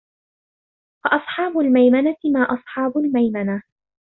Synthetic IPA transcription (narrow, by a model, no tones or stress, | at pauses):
fɑʔɑsˤħɑːbʊlmajmanat̪ɪmaːʔɑsˤħɑːbʊlmajmana